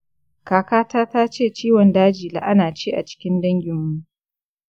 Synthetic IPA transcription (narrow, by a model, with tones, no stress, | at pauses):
kaː˨kaː˦taː˦taː˦t͡ʃeː˦˨t͡ʃiː˦wɔ˨ndaː˦d͡ʒiː˨la̰˨ʔa˦naː˨t͡ʃeː˦ʔa̰˨t͡ʃɪ̥˦kʲɪ˦ndɐ˦ŋɡʲɪ˨mwu˦